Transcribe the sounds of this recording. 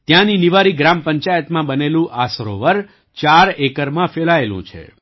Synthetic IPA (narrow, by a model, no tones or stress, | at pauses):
t̪jãniniʋaɾiɡɾampəɲt͡ʃajət̪mãbənelũʔasɾo̰ʋəɾ | t͡ʃaɾekəɾmãfeɭaelṵ̃t͡ʃʰḛ